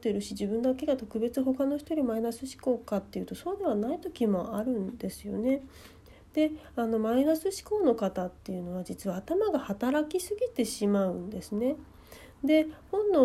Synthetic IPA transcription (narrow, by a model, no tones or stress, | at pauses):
t̪ːeɾɯ̟ɕid͡ʑibɯ̟̃nd̪ake̞ɡat̪o̞kɯ̟be̞t͡sɨɦo̞kano̞çi̥t̪oɾʲimainasɨɕi̥ko̞ːkat̪ːe̞jɯ̟t̪o̞so̞ːd̪e̞β̞anait̪o̞kʲimo̞aɾɯ̟̃nd̪e̞sɨjo̞̰ne̞ | d̪̥e̞ | ano̞mainasɨɕi̥ko̞ːno̞kat̪at̪ːe̞jɯ̟no̞βad͡ʑit͡sɨβaːt̪amaɡahat̪aɾakʲisɨɡʲit̪e̞ɕimaɯ̟̃nd̪e̞sɨne̞ | d̪e̞hõ̞nd̪o